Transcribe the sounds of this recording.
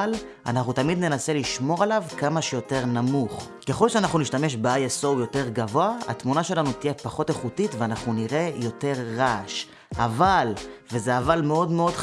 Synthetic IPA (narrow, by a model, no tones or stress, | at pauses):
l | a̰naχnut̪amid̪ne̞nase̞liʃmo̞ʁalavkamaʃejo̞te̞ʁnamuχ | ke̞χo̞lʃeanaχnuniʃtame̞ʃ̬beajeso̞wjo̞te̞ʁɡavo̞aha̰tmunaʃe̞lanut̪ijepaχo̞teχutitveanaχnuniʁe̞jo̞te̞ʁːaʃ | avalvezeavalmeo̞dmeo̞d